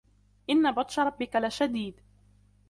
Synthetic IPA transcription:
ʔɪnːabɑt̪ˤʃɑɾˤɑbːɪkalaʃad̪iːd̪

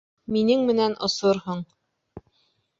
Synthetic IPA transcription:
minɘŋmɘ̆nænʔŏsoɾhoɴ

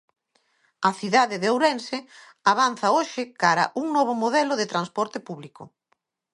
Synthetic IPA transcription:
ɐθiðaðɪðeowɾɛnsɪ | aβan̟θɐoʃɪkaɾɐ̰ʔuŋnɔβ̞ʊmoðɛlʊðɪt̪ɾanspɔɾt̪ɪpuβlikʊ̰

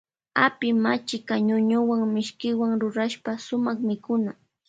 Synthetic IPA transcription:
apɪmat͡ʃɪkaɲʊɲʊwaŋmɪʃkɪwaŋɾʊɾaʃpasʊmɑχmɪkʊna

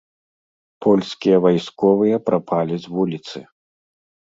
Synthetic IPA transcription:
pʰɔlʲskʲijɐvajskɔvɨjɐpɾʔapʰalʲizʲvulʲit̪sɨ

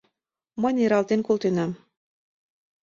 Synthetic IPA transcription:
mɤnʲeɾɑlt̪enkolt̪ynæm

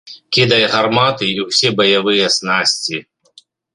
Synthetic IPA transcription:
kʲid̪ɐjɣarmat̪ɨiwsʲɛbɐjavɨjɐsnasʲt͡sʲi

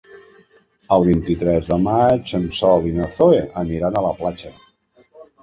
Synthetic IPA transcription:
əlˠβ̞int̪it̪ɾɛzðəmat͡ʃəmsɔlinəθoeʔəniɾanələplat͡ʃə

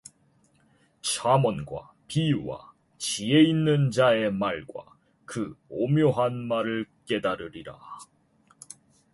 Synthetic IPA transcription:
t͡ɕʰamʌnɡwa̰ | piuwa̰ | t͡ɕie̞inːɯnd͡ʑae̞maɭɡwa̰ | kɯomjoɦanmaɾɯɭk͈e̞daɾɯɾiɾa̰

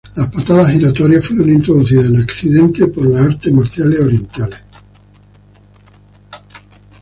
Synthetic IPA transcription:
laspat̪aðasiɾat̪oɾjasfweɾo̞nĩnt̪ɾoðuθ̬iðasenakθiðe̞nt̪epoɾlaaɾt̪emaɾθjaleoɾje̞nt̪ale

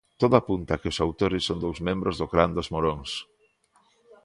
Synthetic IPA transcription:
t̪oðʊapunt̪akeʊsawt̪oɾɪsːond̪owzmẽmbɾozðʊɣɾand̪ozmoɾoŋs

